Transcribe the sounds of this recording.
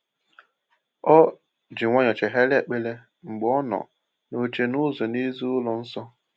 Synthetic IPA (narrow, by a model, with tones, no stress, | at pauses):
ɔ˦ | d͡ʒi˨ŋʷɔ˦ɲɔ˨t͡ʃe˨ɦe˦lɪ˦e˨k͡pe˦le˦ | ŋ͡m̩˨ɡ͡bɔ˦nɔ̰˨ | no˨t͡ʃe˦nʊ˦zɔ˨ni˦zu˦ʊ˦lɔ˨n̩˦sɔ˦